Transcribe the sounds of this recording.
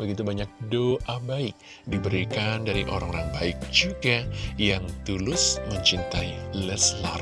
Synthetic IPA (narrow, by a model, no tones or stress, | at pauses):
bəɡit̪ubaɲak̚doʔabaɪk̚ | dibəɾikandaɾiʔoɾa̰ŋoɾaŋbaɪk̚d͡ʒuɡajaŋt̪ulʊsməɲt͡ʃint̪ailɛslar